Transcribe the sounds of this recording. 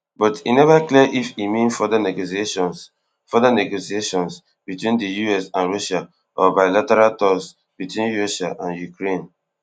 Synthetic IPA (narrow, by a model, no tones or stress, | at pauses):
bɔtḭnɛvakliʔifimĩnfɔdanɛɡosieʃɔ̃ns | fɔdanɛɡosieʃɔ̃ns | b̥itwĩndəjuɛsãnɹɔʃa | ʔɔbaɪlatɛɹaltɔs | b̥itwĩnɹɔʃaʔãnjukɹẽn